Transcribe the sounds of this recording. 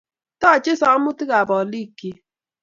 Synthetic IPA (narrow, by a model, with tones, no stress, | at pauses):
tɔ˦˨t͡ʃe˦sa˨˦mu˦ti˦ɣa˨bɔ˨li˦kːi˦